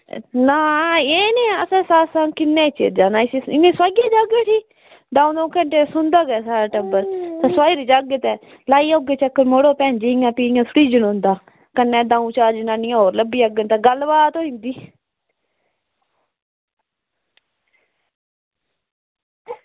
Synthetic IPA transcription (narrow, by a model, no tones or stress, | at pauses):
naːeːnẽːəsẽːsaːsãːŋkɪnːẽːt͡ʃḛːd͡ʒaːnaːɪseːɪnẽːsaːɡeːd͡ʒaɡeːʈʰiː | d̪ãːũːd̪õːkəɳʈeːsʊnd̪aːɡɛsaːɾaːʈəbəɾt̪aːswaːiːɾid͡ʒaɡət̪ɛː | laːiːoːɡeːt͡ʃəkːəɾmoːɽoːpɛ̃ːnd͡ʒeːŋãːpiːãːsʊʈiːd͡ʒənʊ̃nd̪aː | kənːɛ̃ːdãːũːt͡ʃaːɾd͡ʒɪnãːnɪ̃ːãːɦoːɾləbiːəɡənt̪aːɡəlbaːt̪oːĩnd̪iː